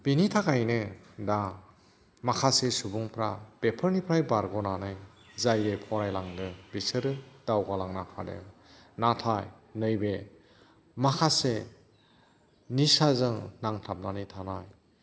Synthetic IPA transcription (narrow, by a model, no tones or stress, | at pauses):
b̥initʰakajnɯ | da | makʰasesubuŋpʰɾab̥epʰɯɾnipʰɾajbaɾɡɔnanaj | zajɾepʰɔɾajlaŋdɯbisɯɾɯd̥awɡalaŋnapʰa̰dɯ̰ | natʰaj | nɯjbe | makʰase | nisazɯŋnaŋtʰap̚nanitʰanaj